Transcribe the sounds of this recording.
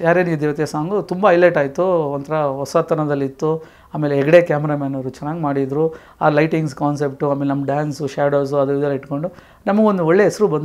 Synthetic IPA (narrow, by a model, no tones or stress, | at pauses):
jaːɾeːnuid̪eːʋɐt̪jesaːŋɡut̪umbɐːjleʈaːjit̪uɐnt̪ɐɾɐʋɔsaːt̪ɐnɐd̪ɐlːit̪ːu | aːmeːleɦɛɡɐɽe̞kaːmɛɾaːmaːnɐɾut͡ʃɐnaːɡmaːɽid̪ɾu | aːlɐjʈiŋɡs̬kaːnsep̚ʈuaːmelenɐmːɐɖaːnsuʃaːɽoːs̬uɐd̪uʋid̪ɐlɐiʈko̞ɳɖu | nɐmɐɡeo̞nd̪uɔɭːe̞ɦɛsɐɾubɐnd̪